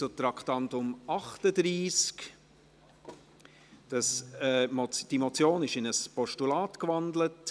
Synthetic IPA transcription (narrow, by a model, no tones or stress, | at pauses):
t͡sut̪ɾɑkχtɑntʊmɑχtədɾiːsk | d̥ɑsɛmɔt͡sd̥imɔt͡sjoːnɪʃɪnəspɔʃtulaːtkvɑndlət